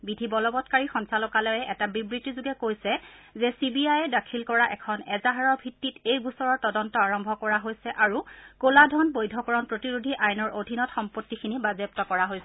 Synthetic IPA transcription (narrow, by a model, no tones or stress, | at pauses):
bidʱibɔlɔbɔtkaɹixɔnsalɔkalɔjɛʔɛtabibɹitizuɡɛkojsɛzɛsibiajɛdakʰilkɔɹaʔɛkʰɔnɛzaɦaɹɔbʱitːitejɡusɔɹɔɹtɔdɔntɔaɹɔmbʱɔkɔɹaɦojsɛʔaɹukoladʱɔnbojdʱɔkɔɹɔnpɹotiɹudʱiʔajnɔɹodʱinɔtxɔmpotːikʰinibazep̚tɔkɔɹaɦojsɛ